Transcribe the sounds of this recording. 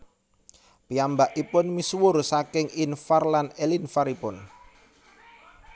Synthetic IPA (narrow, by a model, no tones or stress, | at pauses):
piambaʔipʊnmiswʊrsakɪŋinfarlanelinfaɾipʊn